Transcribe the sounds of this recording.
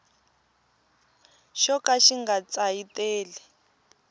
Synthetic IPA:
ʃɔkaʃiŋɡat͡saiteːli

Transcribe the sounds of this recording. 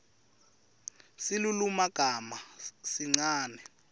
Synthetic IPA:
silulumaɡ̥ʱamasiŋ͡ǀaːnɛ

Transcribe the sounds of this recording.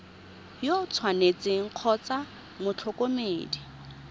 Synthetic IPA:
jot͡sʰwanet͡sɪŋ̩q͡χʰɔt͡sa | mʊt͡ɬʰɔkomeːdi

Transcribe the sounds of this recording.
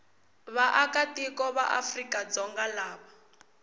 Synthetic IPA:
βaʔakatikɔβaʔa̰frikad͡zɔŋɡalaːβa

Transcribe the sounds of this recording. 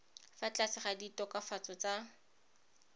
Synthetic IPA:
fat͡ɬasɪχaditɔkafat͡sɔt͡sa

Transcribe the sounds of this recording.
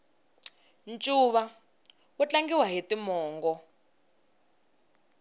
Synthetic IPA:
nt͡ʃʼuːβa | ut͡ɬaŋɡiwaɦetimɔːŋɡɔ

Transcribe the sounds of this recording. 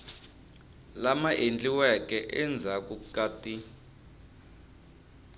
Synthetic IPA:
lamaʔend͡ɮʼiwɛkʼɛʔɛnd͡zʱakʼukaːtʼi

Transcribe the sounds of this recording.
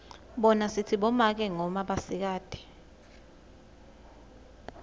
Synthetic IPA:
ɓɔnasitʰiɓɔmak̬ɛŋɔmaɓasik̬aːd̥ʱɛ̥

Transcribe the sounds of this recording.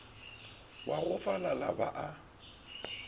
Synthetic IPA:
waɣʊfalalaba̰ʔa

